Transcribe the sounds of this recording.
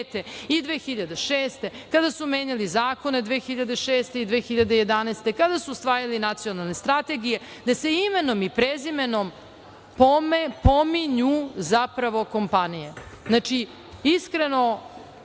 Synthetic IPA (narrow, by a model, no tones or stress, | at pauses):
t̪eid̪ʋeːxiʎad̪eʃeːst̪e̞kad̪asumeːɲalizaːko̞ne̞d̪ʋeːxiʎad̪e̞ʃeːst̪eid̪ʋeːxiʎad̪eje̞d̪anɛjst̪e̞kad̪asuːst̪ʋaːjalinat̪sijo̞nalˠne̞st̪ɾat̪e̞ɡije̞ | d̪ase̞imeno̞mipɾezimenom | pomepo̞miɲuzapɾaʋo̞ko̞mpanijeznat͡ʃi | iskɾe̞no̞